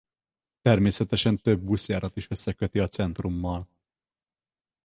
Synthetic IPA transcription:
t̪ɛrmeːsɛt̪ɛʃɛnt̪ø̞bːusjaːɾʔɒt̪iʃø̞sːɛkø̞t̪iɒt̪sɛnt̪rumːɒl

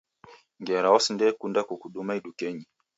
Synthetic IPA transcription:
ŋɡɛɾaɔsndɛkundakukuɗumaiɗukɛɲi

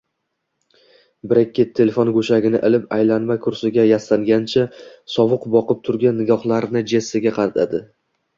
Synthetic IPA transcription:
bɪɾɪkʲːɪt̪ʰːe̞lefonɡɵʃaɡʲɪnɪ̰ʔɪlɪpajlanmakʰʊɾsɪɡʲajasaŋɡʲant͡ʃʰasɒvɨqbɒqɨp̚t̪ʰʊɾɡʲanːɪɡʲɒχlˠaɾnɪd͡ʒesɪɡʲaqʰɑɾat̪ʰad̪ɪ

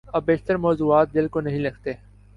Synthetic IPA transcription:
ɐbbeːʃt̪əɾmɔːzuːaːt̪̚d̪ɪlkonɐɦĩlɐɡʰʱt̪eː

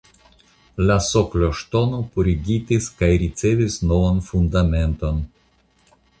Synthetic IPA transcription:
lasokloʃt̪o̞nopuɾiɡit̪iskajɾit͡sevisnovanfund̪ame̞nt̪o̞n

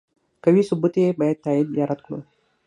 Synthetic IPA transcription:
kəʋiːsubut̪ebəjt̪ːajid̪jaɾat̪̚kɽṵ

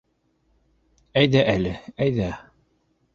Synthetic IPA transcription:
æjðæʔælɘæjðæ

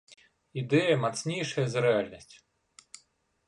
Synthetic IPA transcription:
id̪ɛjɐmat̪snʲejʂɐjɐzɾɛalʲnɐsʲt͡sʲ

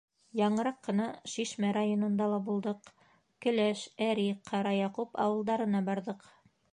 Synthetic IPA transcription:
jɑɴɤ̆ɾɑqːɤ̆nɑʃiʃmæɾajonŏnd̪ɑlˠɑbulˠd̪ɤq | kɵ̆læʃæɾiqʰːɑɾɑjɑqupɑ̰wɤ̆lˠd̪ɑɾɤ̆nɑbɑɾðɤq

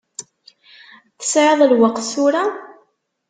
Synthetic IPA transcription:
θə̥sʕəðˤlwəqθsuɾa

